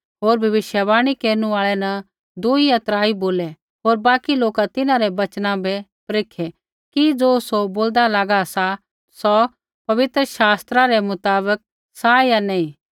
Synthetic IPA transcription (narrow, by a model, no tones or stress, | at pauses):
ɦoːɾbʱɐʋɪʃjəbaːɽ̃ikeːɾnuaːɭɛnɐ | d̪uiɐt̪ɾaːiboːlɛ | ɦoːɾbaːkiloːkat̪ɪnãɾɛbɐt͡ʃnãbɛpɾeːkʰɛ | kid͡zoːsoboːld̪alaːɡasa | sɔ | pɐʋɪt̪ɾəʃaːst̪ɾaɾɛmʊt̪aːbək̚ | sajanɛ̃ĩ